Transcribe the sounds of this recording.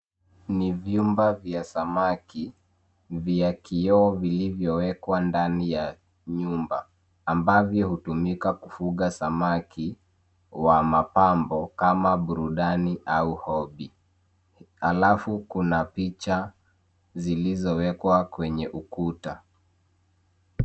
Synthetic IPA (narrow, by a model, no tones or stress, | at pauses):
nivjumbavjasamaki | vjakiɔvilivjɔwɛkwandanija | ɲumba̰ː | mbavjɔhutumikakufuɠasamaki | wamapambɔkamaɓuɾuɗaniʔauhɔɓi | ha̰lafukunapit͡ʃa | zilizɔwɛkwakwɛɲɛʔukuta